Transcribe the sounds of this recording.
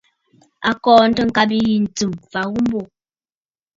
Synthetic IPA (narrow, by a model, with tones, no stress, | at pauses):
a˨kɔː˨n̩˦tə˦ŋ̩˨ka˦bi˦ji˨n̩˨t͡su˨mfa˨ɣu˦m˦bo˨